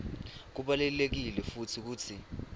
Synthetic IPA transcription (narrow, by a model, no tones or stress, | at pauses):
k̬uɓalɛlek̬ilɛfutʰik̬uːtʰi